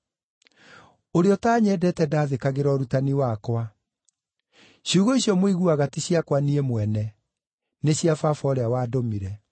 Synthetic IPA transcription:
oɾeɔtaːɲɛːdɛtɛdaːðekaɣeɾɔɾutaniwakwa | ɕuːɣoiɕiɔmweɣuaɣatiɕjakwaniemwɛnɛ | neɕjafafɔɾeawaːdomiɾɛ

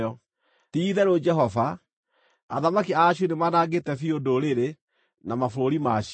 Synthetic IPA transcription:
ɔ | tiðɛɾod͡ʒɛɦɔva | aðamakiaɕunemanaɡetɛfiondoɾeɾe | namafoɾoɾimaɕ

